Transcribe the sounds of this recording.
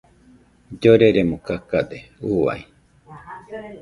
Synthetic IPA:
d͡ʒoɾeɾemokakad̪eua̰i

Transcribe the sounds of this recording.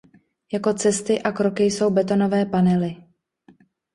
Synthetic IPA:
jako̞t͡sɛst̪ɪʔakɾo̞kɪjso̞wbɛt̪̬o̞no̞vɛːpanɛlɪ

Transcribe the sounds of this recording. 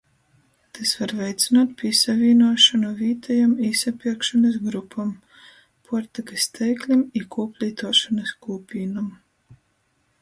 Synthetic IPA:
t̪ʰasvaɾvɛjt̪sʲinaːt̪̚pʲisavʲiːnuɔʃanuviːt̪ʰajamisapʲiɛkʃanɐs̬ɡɾupʰam | pʰuɔɾt̪akɨst̪ʰɛjklʲimikuːpʲlʲiːt̪uɔʃanɐskuːpʲiːnam

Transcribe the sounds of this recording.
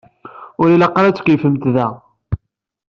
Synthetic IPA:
ʊɾilɑqːɾæt͡sːkifəmt̪ðæ

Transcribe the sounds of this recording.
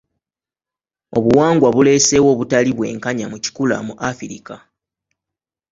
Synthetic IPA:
o̞βuwaːŋɡwaβule̞ːse̞wo̞ːβutaliβwe̞̰ːŋkaɲamuci̥kula̰muʔafiɾika

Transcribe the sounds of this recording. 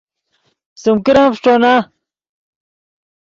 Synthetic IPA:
sumkiɾãːpʂʈ͡ʂoːna

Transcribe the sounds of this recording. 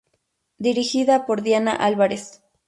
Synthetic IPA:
d̪iɾixiðapoɾd̪jana̰ʔalβaɾes

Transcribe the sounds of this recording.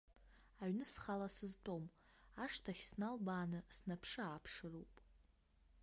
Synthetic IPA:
aɥnɨsχalasɨztʼo̞maʂtʰaχʲsnalbaːnɨsnapʰʂɨaːpʰʂɨrupʼ

